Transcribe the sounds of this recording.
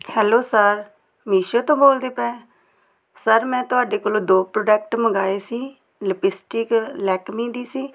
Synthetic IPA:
hɛːloːsəɾ | miːʃoːt̪õːboːld̪eːpɛː | səɾmɛ̃ːt̪ʊaːɖeːkoːlõːd̪oːpɾoːɖɛːk̚ʈməɡaːeːsiː | ləpɪsʈɪklɛːkmĩːd̪iːsiː

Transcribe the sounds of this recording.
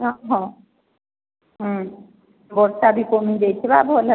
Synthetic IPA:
ɔɦɔ̃ | ɦ | bɔɾsabʱikomid̪ejt͡ʃʰebabla

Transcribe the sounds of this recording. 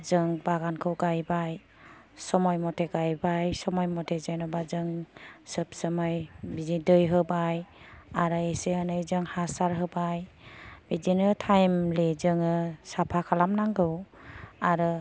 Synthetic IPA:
zɯŋbaɡankʰɯwɡajbaj | sɔmɔjmɔtʰeɡajbajsɔmɔjmɔtʰezajnɔbazɯŋsɯp̚sɯmɔjbizidɯjɦɯbaj | aɾɯeseɯnɯjzɯŋhasaɾɦɯbaj | bizinɯtʰajmlezɯŋɯsapʰakʰalamnaŋɡɯw | aɾɯ

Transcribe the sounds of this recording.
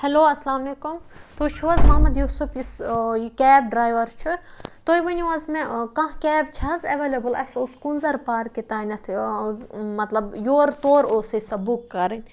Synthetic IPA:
hɐloːɐslaːmɐlekumt̪ot͡ʃʰuʋɐzmɐːmɐd̪juːsupʰiskʲɛːb̚ɖɾaːjʋɐɾt͡ʃʰuɾt̪ojʋɐnʲʋɐzmẽkɐ̃ɦkʲɛːb̚t͡ʃʰɐɐzɐʋeːlʲɐbɨlɐ̰soːskunzɐɾpaːɾket̪aːnʲɐt̪ʰ | mɐt̪lɐbjoːɾt̪oːɾoːsɐsɐbukːɐɾinʲ

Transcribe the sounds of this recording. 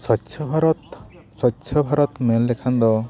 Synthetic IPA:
sɔtːt͡ʃʰɔbʱaɾɔt̪ | sɔtːʃʰɔbʱaɾɔt̪melːekʰand̪ɔ

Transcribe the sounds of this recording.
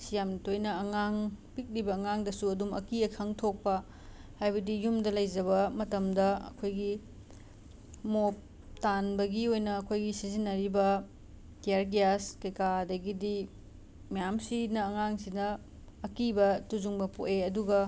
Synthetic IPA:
sijamtojnɐɐŋaŋpik̚libɐːŋaŋdɐsuɐdumɐ̰kiɐkʰɐŋtʰok̚pɐ | hajbɐdijumdɐlɐjd͡ʒɐβɐmɐtɐmdɐɐ̰kʰojɡi | mop̚ | tanbɐɡiojnɐːkʰojɡisizinːɐɾibɐ | tijaɾɡijaskɐjkadɐɡidi | mɐjamsinɐːŋaŋsinɐː | kibɐtuzuŋbɐpoʔeɐduɡɐ

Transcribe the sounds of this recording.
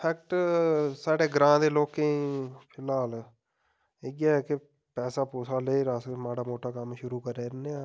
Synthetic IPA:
pʰɛːkʈsaːɽeːɡɾãːd̪eːloːkẽpʰɪlaːl | ɪɡaːkɪ | pɛːsaːpoːsaːləiːɾaːsmaːɽaːmoːʈaːkəmʃʊɾuːkəɾeːɾneaː

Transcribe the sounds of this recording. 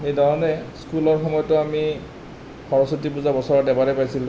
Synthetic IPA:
ejdɔɹɔnɛskulɔɹxɔmɔjɔtʊami | xɔɹɔsotipuzabɔsɔɹɔdɛbalɛpajsilũ

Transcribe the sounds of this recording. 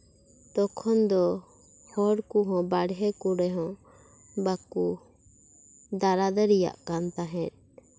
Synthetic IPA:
t̪ɔkʰɔnd̪ɔ | hɔɽkuɦɔ̃baɽɦɛkuɽɛɦɔ̃ | baku | d̪aɾad̪əɾija̰ʔkant̪aɦɛ̃t̚

